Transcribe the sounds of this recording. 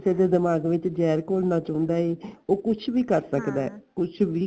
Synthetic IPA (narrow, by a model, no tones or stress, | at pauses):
seːd̪eːd̪ɪmaːɡʋɪt͡ʃd͡ʒɛːɾkoːlnãːt͡ʃaːnd̪aːeːoːkʊt͡ʃʰʋiːkəɾsəkd̪aːɛːkʊt͡ʃʰʋiː